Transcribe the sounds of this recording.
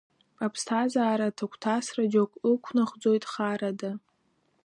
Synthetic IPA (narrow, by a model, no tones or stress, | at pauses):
apʰstʰazaːɾatʰakʷʰtʰasrad͡ʒokʷʼɨkʷʰnaχʷd͡zo̞jtʼχaɾada